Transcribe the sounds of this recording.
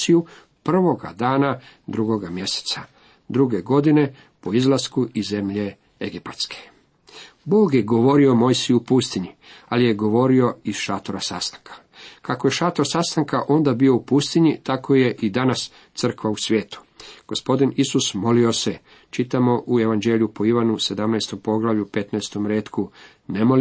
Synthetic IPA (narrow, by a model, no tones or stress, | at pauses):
siju | pr̩ʋo̞ɡa̰d̪aːnad̪ɾuɡo̞ɡamje̞se̥t̪sa | d̪ɾuɡe̞ɡo̞d̪ine̞ | po̞izlˠaskuʔizːe̞mʎe̞ | eɡipat̪skʰe̥ | boːɡje̞ɡo̞ʋo̞ɾiomo̞jsijuupust̪iɲialije̞ɡo̞ʋo̞ɾio̞iz̥ʃaːt̪oɾasa̰st̪ḁŋkʰḁ | kako̞je̞ʃaːt̪oɾsast̪aŋkaʔo̞nd̪abio̞upust̪iɲit̪ako̞je̞ʔid̪anas | t̪sr̩kʋausʋje̞ːt̪u̥ | ɡ̥o̞spo̞d̪inisusmo̞lio̞se̞ | t͡ʃit̪amo̞ʔue̞ʋand͡ʒeːljupo̞iʋanuse̞d̪amnajst̪o̞mpo̞ɡlˠaʋʎupe̞t̪najst̪o̞mɾeːt̪ku | ne̞mo̞l